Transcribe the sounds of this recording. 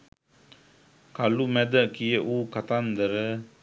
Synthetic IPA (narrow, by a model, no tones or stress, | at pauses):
kalumɛd̪əkijəʔuːkat̪and̪əɾə